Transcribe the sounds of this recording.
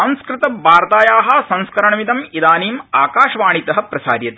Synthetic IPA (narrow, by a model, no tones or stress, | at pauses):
ɐ̃ñskɾɪt̪ɐbaːɾt̪aːjaːɦɐsɐ̃ñskɐɾɐɳɐmit̪ɐmid̪aːniːmaːkaːʃɐʋaːɳit̪ɐɦɐpɾɐsa̰ːɾjɐt̪